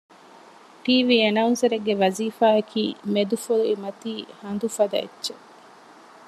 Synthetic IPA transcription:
ʈiːʋiːenɐunsɐɾeɡːeʋɐziːfaːɐkʰḭːmed̪ufoluemɐt̪iːhɐnd̪ufɐd̪ɐ̰ḛtːʃe

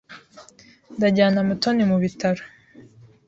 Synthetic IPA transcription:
ndaɟaːnamutʰonimuβitʰaɾḁ

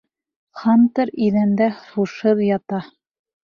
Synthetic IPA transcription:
χɑnt̪ɤɾiðænd̪æχuʃɤðjɑt̪ɑ

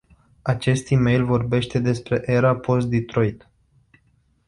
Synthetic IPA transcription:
at͡ʃe̞st̪ime̞jlvo̞rbe̞ʃt̪e̞d̪e̞spɾe̞ʔe̞ɾapʰo̞s̚d̪it̪ɾo̞jt̪

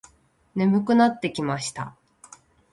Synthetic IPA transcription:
ne̞mɯ̟kɯ̟nat̪ːe̞kʲimaɕi̥t̪a̰

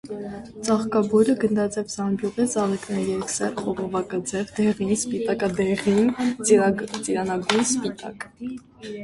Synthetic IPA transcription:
t͡sɑχkɑbɔɾəɡənd̪ɑt͡sɛvsɑmbjuʁit͡sɑlɛknɛɾiɛksɛɾχɔvɔvɑkɑd͡zɛvd̪ɛʁinspit̪ɑkɑd̪ɛʁin | t͡siɾɑnɑɡujnspit̪ɑ̰k

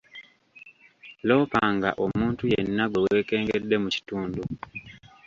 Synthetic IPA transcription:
lo̞ːpaːŋɡa̰ʔo̞muːntujenːaɡwe̞we̞ːke̞ːŋɡe̞dːe̞muci̥tuːndu

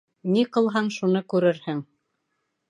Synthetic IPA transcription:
niqɤ̆lˠɦɑɴʃunɤkʉɾɘɾhɘŋ

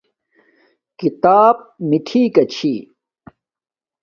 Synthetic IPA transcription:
kit̪aːb̚miʈʰiːkɐt͡ɕʰi

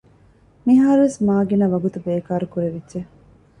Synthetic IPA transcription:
miɦaːɾuʋesmaːɡinɐʋɐɡut̪ubeːkaːɾukuɾeʋidʒe

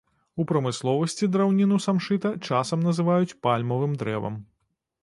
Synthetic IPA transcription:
upɾɐmɨslˠɔvɐsʲt͡sʲid̪ɾawnʲinusamʂɨt̪ɐt͡ʂasɐmnɐzɨvajut͡sʲpalʲmɐvɨmd̪ɾɛ̰vɐ̰m

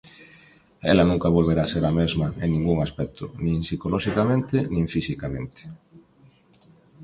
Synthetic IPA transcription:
ɛ̰lanũŋkaβolβeɾaseɾamezmaeŋnĩŋɡuŋaspɛk̚t̪ʰʊ̰nĩŋsikolɔʃikamẽnt̪enĩɱfisikamẽnt̪ʰe̥

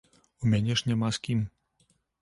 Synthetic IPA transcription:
ɔmɛɲɛʒɲɛmaskim

